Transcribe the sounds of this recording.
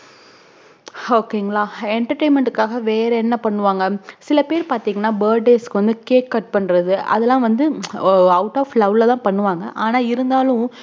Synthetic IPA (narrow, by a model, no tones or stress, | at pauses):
oːkːeŋɡɐɭaːɛɳʈɐɾʈeːnmɛɳʈɯkːaːɣɐʋeːɾɛɛnːɐpɐɳːɯʋaːŋɡɐsɪlɐpeːɾpaːɾt̪iːŋɡɐnːaːbɐːɾɖɖeːskɯʋɐnd̪ɯkeːkːɐʈ̚pɐɳːɯɾɐðɯɐ̰ðɛlːãːʋɐnd̪ɯɐʊʈaːflɐʋlɐt̪ãːpɐɳːɯʋaːŋɡɐʔaːnaːɪɾɯnd̪aːlʊ̃